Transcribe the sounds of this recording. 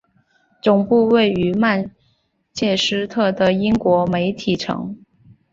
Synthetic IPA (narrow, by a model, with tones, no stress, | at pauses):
t͡sʊ˨˩ŋpu˥˧we˥˩ɪy˧˥ma˥˧n | t͡ɕjɛ˥˩ʂɻ̩˥t̪ʰɤ˥˩d̪ə˩i˥ŋkwɔ˧˥me˧˥ɪt̪ʰi˨˩ʈ͡ʂʰɤ̰˧˥ŋ